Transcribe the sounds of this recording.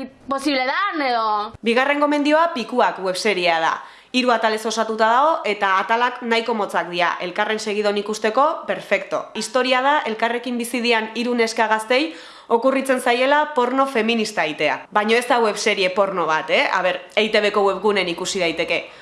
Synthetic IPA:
posiβleðaneðobiɣ̞are̞ŋɡo̞me̞nd̪io̞apikuakɣwe̞βse̞ɾieað̞a̰ | iɾuat̪ale̞so̞sat̪ut̪að̞aɣo̞ʔe̞t̪aːt̪alaknajko̞mo̞t͡sakd̪ia̰ʔe̞lkare̞nse̞ɣ̞ið̞o̞nikust̪e̞ko̞pe̞ɾfe̞kt̪o̞̰ist̪o̞ɾiað̞aʔe̞lkare̞kimbisið̞ianiɾune̞skaɣ̞ast̪e̞j | o̞kurit͡se̞nsaje̞lapo̞ɾnofe̞minist̪aejt̪e̞a̰βaɲo̞e̞st̪aɣwe̞βse̞ɾie̞po̞ɾno̞β̞at̪e̞a̰βe̞ɾejt̪e̞βe̞ko̞we̞βɣune̞nikusiðajt̪e̞ke̞

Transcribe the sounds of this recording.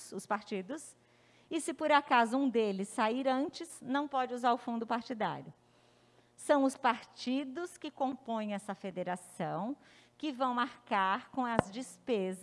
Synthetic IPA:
ʊspaɾt͡ʃid̪ʊs | ɪsɪpoɾakazʊũd̪elɪsːaiɾɐ̃nt͡ʃɪsnɐ̃w̃pɔd͡ʒɪuzaɾʊfũnd̪ʊpaɾt͡ʃid̪a̰ɾjʊ | sɐ̃w̃ʊspaɾt͡ʃid̪ʊskɪkõpõj̃ɛsɐfed̪eɾasɐ̃w̃ | kɪvɐ̃w̃maɾkaɾkõw̃ɐzd͡ʒispez

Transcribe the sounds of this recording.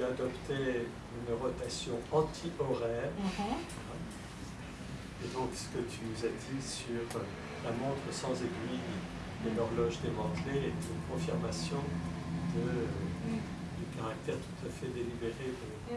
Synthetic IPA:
yad̪ɔpt̪e | ynʁɔt̪asjɔ̃ɑ̃t̪ʰiʔɔʁɛːʁ | ed̪ɔ̃ksə̥kət̪ʰyuzad̪isyʁ | lamɔ̃t̪χəsɑ̃zeɡɥi | d̪əlɔʁlɔʒd̪emɑ̃t̪leet̪ynkɔ̃fiʁmasjɔ̃ | d̪ə | d̪əkaʁak̚t̪ɛʁt̪ʰu̥t̪afɛd̪elibeʁed̪ə

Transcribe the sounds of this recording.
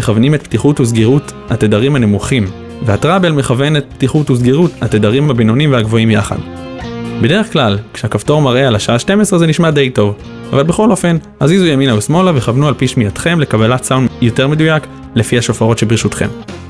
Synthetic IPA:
eχavnimetptiχutuzɡiʁuthatedaʁimhane̞muχim | vehatʁabe̞lme̞χave̞ne̞t̪̚ptiχutuzɡiʁuthatedaʁimhabino̞nimvehaɡvo̞imjaχa̰d | be̞de̞ʁeχklalkʃeakafto̞ʁmaʁe̞alaʃaaʃte̞mesʁezeniʃmade̞jto̞v | avalbe̞χo̞lo̞fe̞n | azizujaminajusmo̞laveχavnualpiʃmijatχe̞mle̞kabalatsawnjo̞te̞ʁmedujak | le̞fihaʃo̞faʁo̞tʃebʁiʃutχe̞m

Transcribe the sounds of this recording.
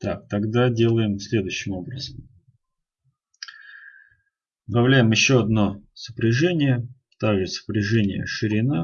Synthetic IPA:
t̪a̰k̚t̪ɐɡd̪adʲe̞lˠəjɪmsʲlʲe̞d̪ʊjʏɕːɪmo̞bɾəzəm | d̪ɐvlʲæjɪmjɪɕːoɐd̪no̞sə̥pɾʲɪʐɛnʲɪjə | t̪aɡʐɨsə̥pɾʲɪʐɛnʲɪ̰jə̰ʂɨɾʲɪna

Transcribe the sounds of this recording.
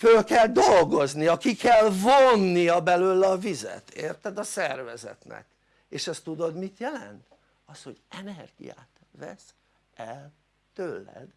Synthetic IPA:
følkɛld̪olɡo̞zniɒkikɛlvonːijɒbɛløːlːɒvizɛ̰t̪eːrt̪ɛd̪ɒsɛrvɛzɛ̰t̪nɛ̰k | eːʃɛst̪ud̪o̞d̪mit̪jɛlɛ̰nt̪ | ɒsho̞ɟɛnɛrɡḭja̰ːt̪vɛ̰s | ɛl | t̪ølːɛ̰d̪

